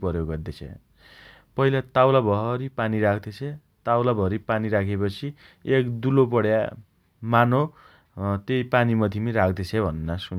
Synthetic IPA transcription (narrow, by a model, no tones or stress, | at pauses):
pʌɾjoɡʌd̪et͡sʰḛ̃ | pʌɦilat̪awlabʱʌɦʌɾipaniɾakʰd̪et͡sʰe | t̪awlabʱʌɦɾipaniɾakʰepʌt͡sʰi | ekd̪ulopʌɽja | mano | t̪ejpanimʌd̪ʱimiɾakʰd̪et͡sʰebʱʌnːʌsun